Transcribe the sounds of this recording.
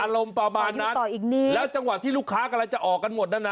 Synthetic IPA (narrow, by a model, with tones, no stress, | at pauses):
ʔaː˧ɾo˧mpɾa˧maː˧nnː˦a˦˥˩t̪ɔː˨˩ʔiː˨˩k̚niː˧˩lɛː˦˥wt͡ɕa˧ŋwa˨˩t̪ʰːiː˥˩luː˦˥˩kʰaː˦˥kɔ˧la˧jt͡ɕa˨˩ʔɔː˨˩kːa˧nmo˨˩t̪̚naː˦˥˩na˦